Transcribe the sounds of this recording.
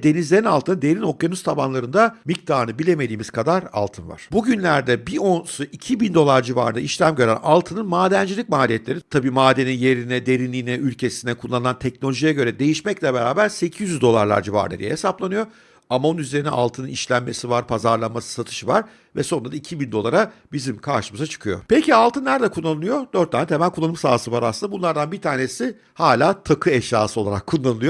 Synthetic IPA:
d̪e̞nizlʲe̞ɾinalˠt̪ɯnad̪e̞ɾino̞k̚ɡanust̪ʰabanlˠaɾɯnd̪amic̚t̪ʰaːnɯbilʲe̞me̞d̪iːmiz̥kʰad̪aɾa̰lˠt̪ʰɯnva̰ɾ̥buɟynlʲæɾd̪ɛbionsuʔicʰibind̪o̞lˠaɾd͡ʒiva̰ɾɯnaiʃlʲæmɟø̞ɾæ̰nalˠt̪ʰɯnɯnmaːd̪ænd͡ʒilʲicmaːlʲijɛt̪lʲe̞ɾit̪ʰabiːmaːd̪e̞ninje̞ɾinɛd̪e̞ɾinlʲiːnɛʔylʲcʰe̞sinɛkʰulˠːanɯlˠant̪ʰɛc̚no̞lʲoʒijɛɟø̞ɾɛd̪e̞jiʃmɛclʲɛbe̞ɾaːbæɾse̞cʰijyyzd̪o̞lˠa̰ɾlˠa̰ɾd͡ʒiva̰ɾɯnad̪ijɛ̰hesaplˠanɯjo̞ | amaonyze̞ɾinɛʔa̰lˠt̪ʰɯnɯniʃlʲænme̞sivaɾpʰazaɾlˠanmasɯ̥sat̪ʰɯ̥ʃɯvaɾ | vɛso̞nd̪ɾad̪aicʰibind̪o̞lˠaɾabizimkʰaɾʃɯmɯzat͡ʃʰɯ̥kʰɯjo̞̰pecialˠt̪ʰɯnːæɾd̪ɛkʰunːˠanɯlˠɯjo̞d̪øɾt̪̚ːaːnɛt̪ʰemælʲkʰulˠːanɯmsaːsɯvaɾasɯnabunˠaɾd̪anbit̪ʰaːne̞si | haːlʲaːt̪ʰakʰɯɛʃja̰ːsɯo̞lˠaɾakʰːunllːˠanɯlˠɯjo

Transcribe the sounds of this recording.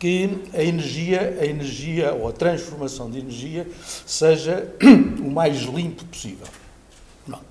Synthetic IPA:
kɨɐinɨɾʒiɐɐinɨɾʒiɐoɐt̪ɾɐ̃ʃfuɾmɐsɐ̃w̃d̪inɨɾʒiɐseʒɐumajʒlˠĩmpu̥pu̥sḭvɛ̰lˠ | nɐ̰̃w̃

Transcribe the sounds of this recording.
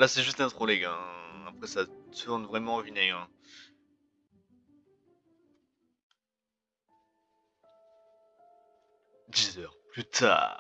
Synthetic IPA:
lasɛʒyst̪ɛ̃t̪χɔlɛɡɛ̃apχɛsat̪ʰuʁnvʁɛmɑ̃vinɛɛ̃ | d̪izœːʁplyt̪ʰa̰ː

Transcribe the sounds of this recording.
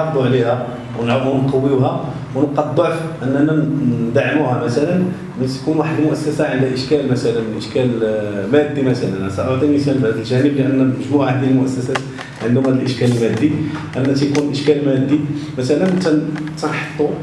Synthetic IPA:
ɑd̪ˤuʕlihæ | wnʕəmhʊnqɑwːiwhæ | wnqɑd̪ˤːəfʔənːænænd̪aʕmuhæmæt̪ælən | mæt̪kunwaħəd̪mʊʔæsːæsaʕənd̪æʔəʃkælmæt̪ælənʔəʃkælmæd̪ːimæt̪ælænæsæʔoʕd̪ˤiməsælfhæd̪əlʒænəbləʔənːæəʒmuʕaħæd̪əlmʊʔæsːæsæt̪ | ʕənd̪hʊmhæd̪əlʔəʃkæləlmæd̪ːiʔənːæt̪æjkunʔəʃkælmæd̪ːimæt̪ælənt̪ænt̪ænħɑ̥t̪ˤːu

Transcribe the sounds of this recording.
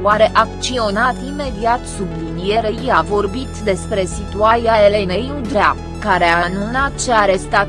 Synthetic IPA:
uaɾe̞ʔakt͡ʃio̞nat̪ime̞d̪iat̪sublinije̞ɾeiavo̞rbit̪d̪e̞spɾe̞sit̪uaɾiaelenejud̪ɾa | kaɾeaanunat̪t͡ʃeaɾe̞st̪at̪

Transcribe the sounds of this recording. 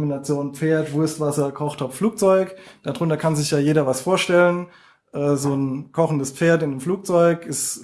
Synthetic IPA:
mbinat͡sjoːnp͡feːɐtv̥ʊɐstv̥asɐkʰɔχtʰaffluːk̚t͡sɔʏkd̥adʁʊntɐkʰanzɪçjaːjeːdɐvasfoːɐʃtɛlən | ʔɛːzoːnkʰɔχn̩dəspp͡feːɐtɪnəmfluːk̚t͡sɔʏkɪs

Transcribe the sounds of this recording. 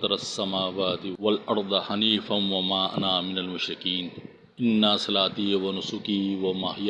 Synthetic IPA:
t̪ɾɐsːɐmaːwaːt̪ɪwɐlʔɑɾˤd̪ˤɑhɐniːfɐnwɐmaːʔɐ̰naːmɪnɐlmʊʃɾɪkiːn | ʔɪnːaːsɐlaːt̪iːwɐnʊsʊkiːwɐmaːhɪja

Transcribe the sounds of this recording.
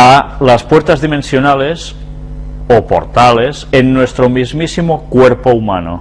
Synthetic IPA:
alaspweɾt̪azðimẽnsjonales | opo̰ɾt̪alesenːwest̪ɾomizmisimokweɾpoumano̰

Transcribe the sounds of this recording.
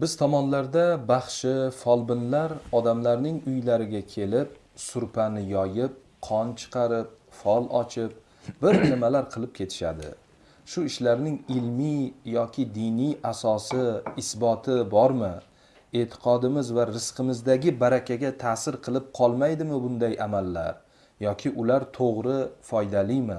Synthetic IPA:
bɪz̥t̪ʰɒmɒnlaɾd̪abaχʃɪfɒlˠbɪnlaɾɒd̪amlaɾnɪŋʊjlaɾɪɡʲakʲʰe̞lɪp̚ | sʊɾpʰanɪjɒjɪp̚ | qʰɒnt͡ʃʰɨ̥qʰɑɾɪp̚ | fɒlˠɒt͡ʃʰɪp̚ | b̥ɪɾnɪmalaɾqʰɨlˠɪp̚kʲʰe̞t̪ʰɪ̥ʃa̰d̪ɪ̰ | ʃʊɪʃlaɾnɪŋɪlmijɒkʲʰɪd̪ɪnijasɒsɪɪsbɒt̪ʰɪbɒɾmɪ | et̪ʰɪ̥qʰɒd̪ɪmɪzvaɾɪsqʰɨmɪzd̪aɡʲɪbaɾakʲʰaɡʲat̪ʰaːsɪɾqʰɨlˠɪp̚qʰɒlˠmajd̪ɪmɪbʊnd̪ajamalːa̰ɾ | jɒkʲʰɪʔʊlaɾt̪ʰoʁɾɪfɒjd̪alɪjmɪ

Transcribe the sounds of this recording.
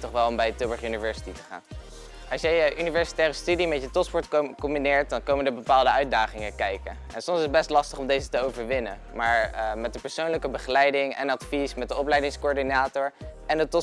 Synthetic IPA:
tɔχʋɛlˠɔmbɛjətøbəɹχynivɛɹsi̥titəχa̰ːn | ɑlsjəjəʔynivɛɹsi̥tɛːrəstydimɛtjətɔspɔɹtkɔmbinɪːɹt̚dɑnkowməndəɹbəpaːlˠdəœɥt̚daːχɪŋəkɛjkənɛnsɔmsɪsəbɛstlɑstəχɔmdejzətəowvəɹʋɪnə̰nmaːɹmɛt̚dəpəɹsownləkəbəχəlɛjdɪŋɛ̰nɑtfismɛt̚dəɔplɛjdɪŋskoːɹdinaːtɔɹʔɛndətɔ

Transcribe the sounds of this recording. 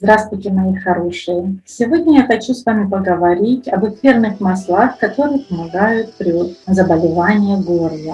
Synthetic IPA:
zd̪ɾast̪vʊjtʲɪmɐixɐɾo̞ʂɨjəfsʲɪvo̞dʲnʲəjaxɐt͡ɕusvamʲɪpəɡəvɐɾʲitʲɐbɨkvʲernɨxmɐslˠaxkɐt̪o̞ɾɨjəpəmɐɡajʊt̪̚pɾʲɪzəbəlʲɪvanʲɪjəɡo̞rvə

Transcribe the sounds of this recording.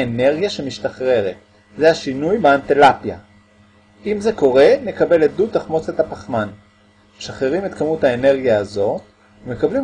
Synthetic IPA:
ene̞ʁɡjaʃemiʃtaχʁe̞ʁet̪ | zehaʃinujbeantelapja̰ | imzeko̞ʁe̞ne̞kabe̞led̪utaχmo̞t͡sethapaχman | ʃaχeʁime̞t̪kamuthaene̞ʁɡijaːzo̞t | ume̞kablim

